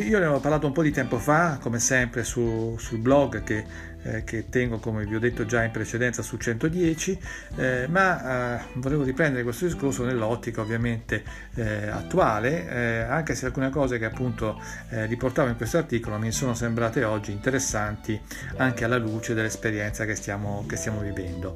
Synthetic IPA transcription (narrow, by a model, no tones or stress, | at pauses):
iːolevɔparlaːt̪oumpɔd̪it̪ɛmpofakomesɛmpɾesusulblɔɡke | k̟et̪ːɛŋɡokomeviɔd̪ːet̪ːod͡ʒaimpɾet͡ʃed̪ɛnt̪sasult͡ʃɛnt̪od̪jɛːt͡ʃi | ma | voleːvoɾipɾɛnd̪eɾekwest̪od̪iskorsonelːɔt̪ːikaovːjament̪e | a̰t̪ːuaːleaŋkesealkuːnekɔːzekeapːunt̪o | riport̪aːvoiŋkwest̪oart̪iːkolomisoːnosembɾaːt̪eɔd͡ʒːiːnt̪eɾesːant̪i | aŋkealːaluːt͡ʃed̪elːespeɾjɛnt̪sakest̪jaːmokest̪jaːmovivɛnd̪o